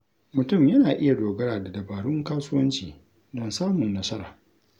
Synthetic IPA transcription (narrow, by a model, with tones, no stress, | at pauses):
mʊ˨tʊ˦˨mjɐ˦naː˨ʔɪ˦ja˨doː˨ɡɐ˦ɾaː˨da˨dɐ˨baː˨ɽʊ˦ŋkaː˦sʊ˦wɐ˦nt͡ʃiː˨ | dɔ˦nsaː˦mʊ˨nːɐ˦sɐ˦ɾa̰ː˨